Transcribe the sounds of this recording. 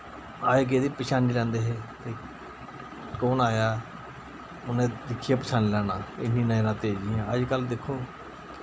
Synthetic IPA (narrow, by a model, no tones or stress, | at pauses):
aːeɡeːd̪iːpəʃʰaːniːlɛ̃ːnd̪eːɦeːt̪eː | koːnaːjaː | ʊnẽːd̪ɪkʰːijaːpəʃaːniːlɛːɽ̃aːɪ̰nĩːnãnãːt̪eːd͡ʒɪjãːəd͡ʒkəld̪ekʰːoː